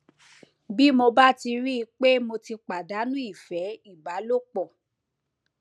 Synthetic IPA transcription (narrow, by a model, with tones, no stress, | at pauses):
bi˦mo˧ba˦ti˧ɾi˦˧k͡pe˦mo˧ti˧k͡pa˨da˨˦nũ˦i˦˨fɛ˨˦i˦˨ba˨˦lo˦k͡pɔ˦˨